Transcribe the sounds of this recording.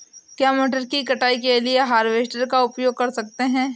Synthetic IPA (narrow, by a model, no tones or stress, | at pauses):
kjaːmoːʈəɾkikɐʈaːikelieɦaːɾʋeːsʈəɾkaʊpjoːɡ̚kɐɾsɐkt̪eɦɛ̃ː